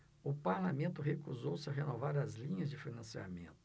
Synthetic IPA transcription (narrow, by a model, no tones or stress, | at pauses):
ʊpaɾlamẽnt̪ʊɦekuzowsɪɐɦenovaɾɐzlĩɲɐzd͡ʒɪfinɐ̃sia̰mḛ̃nt̪ʊ̥